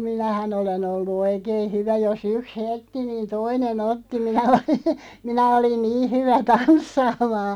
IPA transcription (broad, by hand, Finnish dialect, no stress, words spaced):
minæhæn olen olːu oikeːn̞ hyʋæ jos yks heltːi niːn toinen otːi minæ oli minæ olin niː hyʋæ tɑnsːɑːmɑː